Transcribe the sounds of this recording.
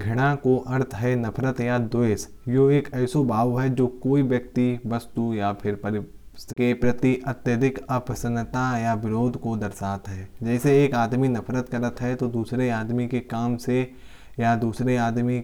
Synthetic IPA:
ɡʱɐɽ̃akoʔɐɾt̪ʰɦɛnɐpʰɾət̪jad̪oes | joeːkɛːsobʱaːʋɦɛd͡ʒoːkoːiʋjɐk̚t̪iʋɐst̪ujapʰɪɾpɐɾɪ | kepɾɐt̪iʔɐt̪jəd̪ʱɪkɐpəsə̃nːət̪ajaʋɪɾoːd̪ʱkod̪ɐɾsaːt̪ɦɛːd͡ʒɛːseeːkaːd̪minɐpʰɾət̪kɐɾət̪ɦɛt̪od̪uːsɾeaːd̪mikekaːmse | jad̪uːsɾeaːd̪mi

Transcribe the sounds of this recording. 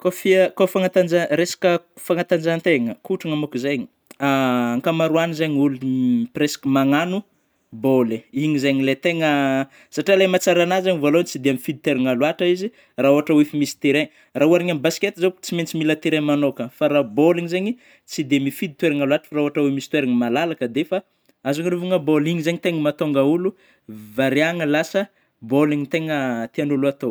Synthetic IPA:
kofikafaŋat̪and͡ʒaɾesḁkəfaŋat̪and͡ʒant̪eŋəkuʈ͡ʂaŋamokuzejɲi̥ | aaŋkamaɾuanizeɲulupresḁkəmaŋanu | boleiɲizeɲilet̪eŋə | saʈ͡ʂialemat͡saɾanazaɲivolont͡sid̪eamifid̪it̪weɾaŋaluaʈ͡ʂaizi | raoɦaʈ͡ʂawefimisi̥t̪eɾeɲ | raɦuaɾiɲamibasi̥ket̪izot͡siment͡similət̪eɾemanokəfaɾaboliŋizeɲi | t͡sid̪eamifid̪it̪weɾiŋaluaʈ͡ʂə̥faɾaoɦaʈ͡ʂawemisi̥t̪weɾiŋmalalakəd̪efa | azaŋɾuvuŋəboliɲizeɲit̪eŋəmat̪oŋɡaulu | vaɾiaŋəlasə | boliɲit̪eŋət̪ianuluat̪o

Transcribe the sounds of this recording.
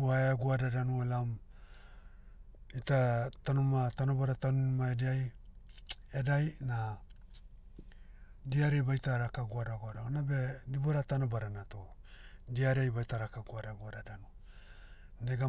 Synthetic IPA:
uaeaɡuadadanuelam | itatanomatanobaɾatanunmaediaj | edajna | diaɾebajtaɾakaɡuadaɡoadaonabe̞diboɾatanobaɾanatodiaɾejbajtaɾakaɡuadaɡuadadanu | neɡa

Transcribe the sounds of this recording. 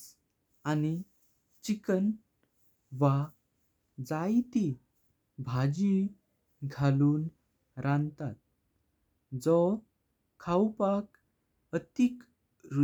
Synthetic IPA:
ani | t͡ɕikən | ʋa | d͡zajt̪i | bʱad͡ʑi | ɡʱaluːn | ɾãnt̪at̪̚ | d͡zɔ | kʰawpak | ət̪ik | ɾu

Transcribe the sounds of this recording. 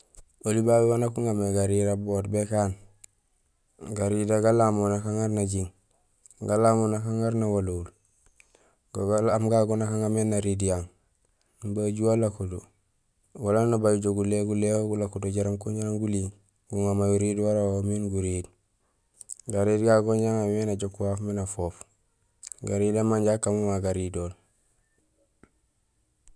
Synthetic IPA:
olibabewanakuŋɡameɡaɾiɾabotbekaːn | ɡaɾidaɡalamonakaŋaɾnaɟiŋ | ɡalamonakaŋaɾnawalul | ɡamɡaɡonakaŋɡamenaɾidijaŋ | baɟuwalakuto | walanabajuɟoɡuleɡulehoɡulakudoɟaɾaŋkuɲɟaŋɡuli | ɡuŋamajuɾiːdwaɾawominɡuɾid | ɡaɾiːdɡaɡoɲɟaŋamenaɟokːuwafminafoːf | ɡaɾidamaɲɟakːamumaɡaɾidol

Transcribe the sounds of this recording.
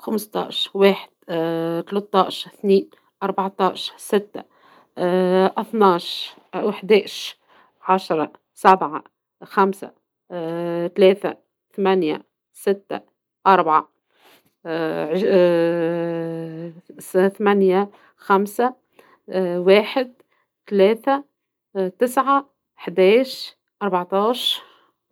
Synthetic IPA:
xamst̪ˤɑ̰ːʃweːħɪ̥d̪̥̚t̪lɑt̪ˤːɑːʃθniːn | ʔɑɾˤbaʕt̪ˤɑːʃsɪt̪ːa̰ | ʔɑθnɑːʃ | wɪħd̪ɛːʃ | ʕaʃɾˤɑ | sabʕa | xamsa̰ | t̪lɛːθa̰ | θamænja̰ | sɪt̪ːa̰ | ʔɑɾˤbʕa | ʕ | θamænja | xamsa | wæːħɪd̪̚ | t̪lɛːθa | t̪ɪsʕa | ħd̪ɛːʃ | ʔɑɾˤbʕt̪ɑːʃɾ

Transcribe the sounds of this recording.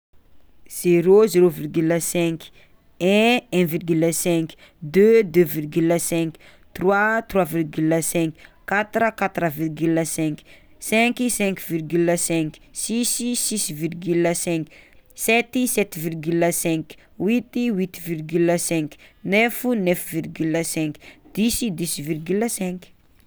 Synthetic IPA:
z̥eɾozeɾovirɡyləsɛ̃k | ɛ̃ɛ̃virɡyləsɛ̃k | d̪ød̪øvirɡyləsɛ̃k | t̪rwat̪rwavirɡyləsɛ̃ŋkkat̪ɾəkat̪ɾəvirɡyləsɛ̃ŋki̥ | sɛ̃kisɛ̃ŋkvirɡyləsɛ̃ksisiisvirɡyləsɛ̃ŋksɛt̪isɛt̪virɡyləsɛ̃k | wit̪iwit̪virɡyləsɛ̃ŋknɛfunɛfvirɡyləsɛ̃kd̪̥isid̪isvirɡyləsɛ̃ŋk

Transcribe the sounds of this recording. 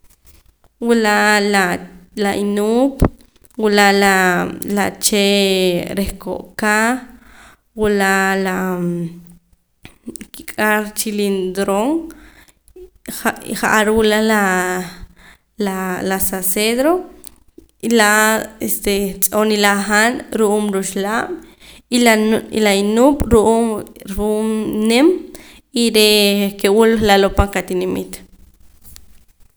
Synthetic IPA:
wulalalaʔinuːp | wulaʔlalat͡ʃeɾehko̰ʔkaχ | wulaʔla | kikʼaɾt͡ʃilind̪ɾoŋ | χaʔaɾwulala | lalasaseðɾo | ilaest̪et͡sʼonilaχanɾuʔuːmɾuʃlaɓ̥ | iḭlainuɓ̥ɾuʔuːmɾumnem | iɾekewullalopaŋkat̪inimit̪

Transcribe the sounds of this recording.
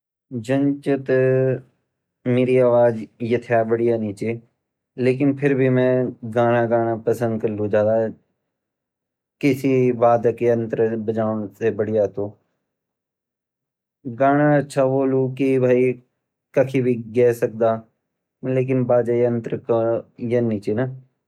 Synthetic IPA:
d͡ʒənt͡ʃət̪ | meːɾiːaːʋaːd͡ʒjɪt̪ʰjaːbəɽijaːnĩːt͡ʃeː | leːk̬ɪnpʰɪɾbʱimɛ̃ːɡaːɽ̃aːɡaːɽ̃aːpəsə̃nd̪kəllũd͡ʒãːd̪aː | kɪsibaːd̪keə̃nt̪ɾbəd͡ʒaːsebəɽijaːt̪oː | ɡaːɽ̃aətːʃʰaːboːlukibʱaːi | kəkʰibʱiɡɛːsək̚d̪aː | leːk̬ɪnbaːd͡ʒaːənt̪əɾkjəniːt͡ʃeːna

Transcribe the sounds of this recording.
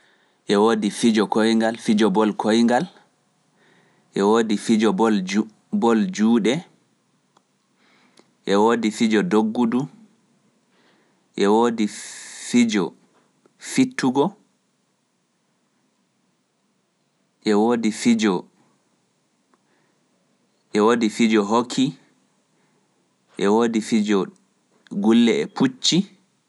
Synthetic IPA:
ʔɛwoːdifid͡ʒɔkojŋɡalfid͡ʒɔbɔlkʰojŋɡal | ʔɛwoːdifid͡ʒɔbɔl | bɔld͡ʒuːɗɛ | ʔɛwoːdifid͡ʒɔdoɡːudu | ʔɛwoːdifid͡ʒɔ | fitʰːuɡɔ | ʔɛwoːdifid͡ʒɔ | ʔɛwoːdifid͡ʒɔɦokʰːi | ʔɛwoːdifid͡ʒɔ | ɡulːɛɛpʰut͡ʃːi

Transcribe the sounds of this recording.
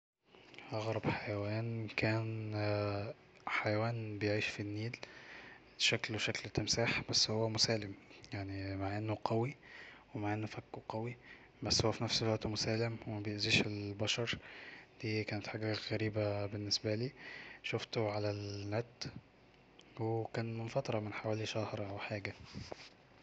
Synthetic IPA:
ʔɑɣɾˤɑbħajæwæːnkæːn | ħajæwæːnbejʕiːʃfinːiːl | ʃækluʃæklet̪ːemsaːħbæsːhowːæmʊsæːlemjaʕnimaʕʔenːoqɑwiwemaʕʔenːofækːoqɑwi | bæsːhowːæfinæfselwæʔt̪umosæːlemwemæbejeʔziːʃelbɑʃɑɾˤd̪̥iːkæːnet̪ħaːɡæɣæɾiːbæbenːesbæliːʃoft̪oʕalælnæt̪ː | wekæːnmenfɑt̪ˤɾˤɑmenħawæːliʃæhɾˤʔæwħaːɡæ

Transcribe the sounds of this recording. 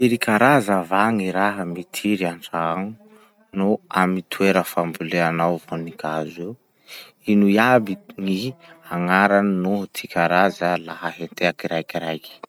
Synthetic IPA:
iɾikʰaɾazavaŋiɾaɦəmit̪ʰiɾiaɳʈ͡ʂaaŋi | nuamit̪ʰuweɾəfambuleanawvonikazew | inujabiŋiaŋaɾannut̪ʰikʰʲaɾazəlaɦəɦent̪eakiɾajkiɾajki̥

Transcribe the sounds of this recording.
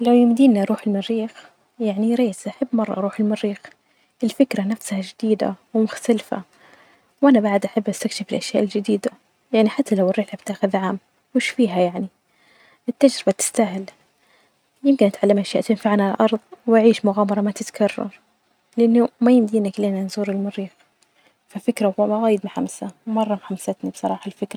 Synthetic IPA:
lawjɪmd̪iːnaʔɾˤuːħɪlmɪrːiːx | jaʕniɾeːsʔaħabːmɑrˤːɑ̰ʔɑɾuːħɪlmɪɾːiːx | ʔɪlfɪkɾanafshad͡ʒɪd̪iːd̪a̰wmʊxt̪alfa̰ | wʔanabaʕd̪ʔaħabːʔast̪akʃɪfɪlʔaʃjaːʔɪld͡ʒɪd̪iːd̪a | jaʕniħat̪ːalawɪrːiːħʕabt̪aːxɪðʕaːm | wɪʃfiːɦajaʕni | ʔɪt̪ːad͡ʒɾɪbat̪ɪ̥st̪aɦɪl | jɪmkɪnʔat̪ʕalːamʔaʃjaːʔt̪ɪnfaʕnaalʔɑɾˤðˤwʔaʕiːʃmʊɣaːmɑɾˤɑmat̪ɪt̪kʰɑrˤːɑ̰ɾˤ | lɪʔanːʊmajɪmd̪iːnakleːnanzuːɾɪlmʊɾiːx | fafɪkɾaaɣaːjɪd̪mħamsawmɑrˤːɑmħamsat̪nibsˤɑɾˤɑːħalfɪkɾa

